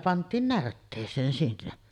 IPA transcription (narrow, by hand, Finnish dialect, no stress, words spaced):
pɑntˑiːn nærtːeːsˑeːn sinːe